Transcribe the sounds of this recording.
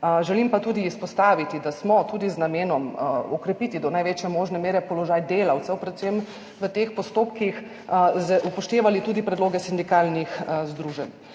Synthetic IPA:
ʒɛlimpat̪uːd̪iːspɔst̪aːʋit̪id̪asmɔt̪uːd̪iznameːnɔmɔkɾɛpit̪id̪ɔnajʋeːt͡ʃjɛmoːʒnɛmeːɾɛpɔlɔʒaːjd̪eːlawt̪sɛwpɾɛt̪sem | ʋət̪eːxpɔst̪oːpkix | zɛʔupɔʃt̪eːʋalit̪uːd̪ipɾɛd̪loːɡɛsind̪ikalnixzd̪ɾuːʒɛn

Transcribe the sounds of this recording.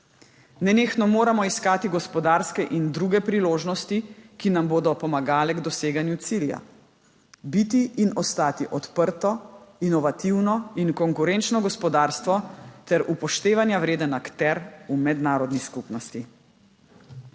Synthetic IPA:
nɛneːxnɔmoːɾamɔiskaːt̪iɡɔspɔd̪aːɾskɛʔind̪ɾuɡɛpɾiloːʒnɔst̪ikinamboːd̪ɔpɔmaɡaːlɛɡd̪ɔseːɡanjut̪silja̰ | bit̪iinɔst̪aːt̪iʔɔt̪pəɾt̪ɔinɔʋat̪iwnɔinkɔŋkuɾɛnt͡ʃnɔɡɔspɔd̪aːɾst̪ʋɔt̪ɛɾʔupɔʃt̪eːʋanjawɾeːd̪ənakt̪ɛɾumɛd̪naːɾɔd̪niskupnɔst̪i

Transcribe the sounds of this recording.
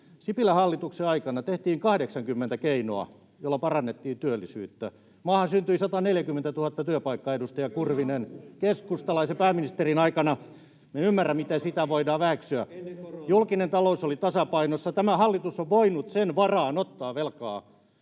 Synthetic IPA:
sipilæhɑlːit̪ukseɑikɑnɑt̪eht̪iːŋkɑhdeksɑŋkymːent̪ækeino̰ɑ̰ | jolːɑpɑrɑnːet̪ːiːnt̪yølːisy̰ːt̪ːæ | mɑːhɑnsynt̪yisɑt̪ɑneljækymːent̪æt̪uhɑt̪ːɑt̪yøpɑikːɑedust̪ɑjɑkurʋinenkeskust̪ɑlɑisepæːmːinist̪erinɑikɑnɑ | menymːærːæmit̪esit̪æʋoidɑːʋæːksyæjulkinent̪ɑlousolit̪ɑsɑpɑinosːɑt̪æmæhɑlːit̪usːoʋʋoinut̪senʋɑrɑːnot̪ːɑːʋelkɑː

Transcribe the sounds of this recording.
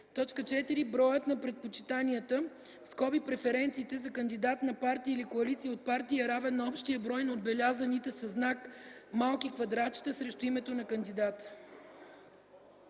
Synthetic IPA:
t̪ɔt͡ʃkət͡ʃɛt̪iɾibɾɔjət̪nɐpɾɛt̪̚pot͡ʃit̪aniət̪ə | skɔbipɾɛfɛɾɛnt̪siːt̪ɛzɐkənd̪id̪at̪nɐpaɾt̪iːlikoɐlit̪siːot̪̚paɾt̪iəɾavɛnːɐɔpʃt̪iəbɾɔjnɐod̪̚bɛlʲazənit̪ɛsɐznakmalˠkikvɐd̪ɾat͡ʃi̥t̪əsɾɛʃt̪ʊimɛt̪onɐkənd̪id̪at̪

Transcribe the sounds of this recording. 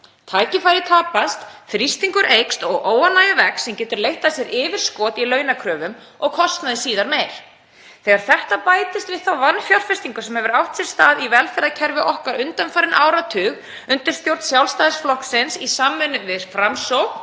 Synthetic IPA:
t̪ʰaːjcɪfajɾɪt̪ʰaːpast̪θɾist̪iŋkʏɾʔejkst̪ɔɣʔoːwanːajavɛksɛmcɛːt̪ʏɾlejht̪asjɛɾʔɪːvɪɾ̥skɔːt̪ilœːɥnakʰɾœːvʏm | ɔɣkʰɔst̪naðɪsiːðaɾmejɾ̥ | θɛɣaɾ̥θɛht̪apaːjt̪ɪst̪vɪðθawvanfjawr̥fɛst̪iŋkʏsɛmhɛvʏɾawht̪sɛl̥st̪aːðivɛlfɛɾacʰɛɾvɪʔɔhkaɾʏnt̪anfajɾɪnʔaːwɾat̪ʰʏːɣ | ʏnt̪ɪɾ̥st̪jowɾt̪sjawlst̪aːðɪsflɔhksɪnsisaːmːɛnːʏmvɪðɾfɾamsowk

